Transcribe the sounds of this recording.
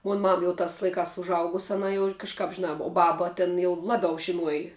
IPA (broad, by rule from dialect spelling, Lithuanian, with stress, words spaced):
ˈmoːn ˈmɐm ˈjɛʊ ˈtɑːs lˠɐɪˈkɑːs ʊʒˈɐʊɡʊs ɐˈnɐ jɛʊ kɐʃˈkɑːp ʒʲɪˈnɑː oː ˈbɑːbɐ ˈtʲɪn jɛʊ ˈlˠɑːbʲɛʊ ʒʲɪˈnuɔjɪ